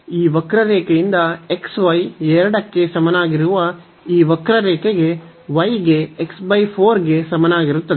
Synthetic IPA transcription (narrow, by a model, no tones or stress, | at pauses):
iːʋɐkɾɐɾɛːkejind̪ɐe̞ksʋɐjɛɾɐɽɐkːesɐmɐnaːɡiɾuʋɐ | iːʋɐkɾɐɾɛːkeɡe | ʋɐjɡeːksbɐjpʰoːɾɡe̞sɐmɐnaːɡiɾut̪ːɐd̪